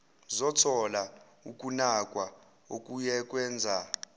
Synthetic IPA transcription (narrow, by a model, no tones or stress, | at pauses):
zɔtʰɔla | ukʼunakʼwa | okʼujɛk̬ʼwɛːnd͡zʱa